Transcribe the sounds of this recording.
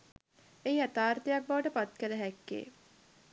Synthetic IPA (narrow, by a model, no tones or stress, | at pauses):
eiat̪aːɾt̪ejak̚baʋəʈəpat̪kələɦɛkːḛː